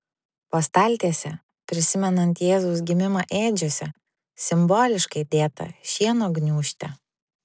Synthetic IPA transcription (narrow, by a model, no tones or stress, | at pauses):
pɐst̪ɐlʲt̪ʲeːsʲɛ | pʲɾʲɪsʲɪmʲɛnɐnt̪jeːzɐʊsɡʲɪmʲɪmɐʔeːd͡ʒʲoːsʲɛ | sʲɪmboːlʲɪʃkɐɪd̪ʲeːt̪ɐ̰ʃʲiɛnoːɡnʲuːʃʲt̪ʲɛ